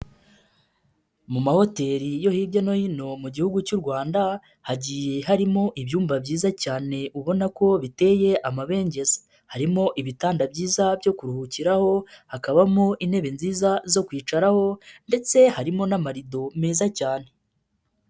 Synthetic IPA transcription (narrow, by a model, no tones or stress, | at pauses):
mumaho̞te̞ɾijo̞hiːbɟeno̞hino̞muɟihuɡucuɾɡwaːnda | haɟije̞ɦaɾimo̞ʔiβjuːmbabɟiːzacaːne̞ʔuβo̞nako̞βite̞je̞ʔamaβe̞ːɲɟe̞zḁ | haɾimo̞ʔiβitaːndabɟiːzabjo̞kuɾuhuciɾaho̞hakaβamoʔinhe̞βe̞nziːzazo̞kwiːt͡ʃaɾaho̞nde̞t͡se̞haɾimo̞namaɾido̞meːzacaːne̞